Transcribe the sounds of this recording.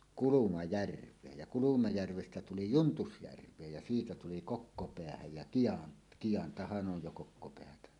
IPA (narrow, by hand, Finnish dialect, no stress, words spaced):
kulumɑjærʋˑeːj jɑ kulumɑjærʋestæ tuli juntusjærʋˑeːj jɑ siːtæ tuli kokːopeæhæj jæ kiɑn kij̆ɑntɑhɑn ʔoj jo kokːopeætæ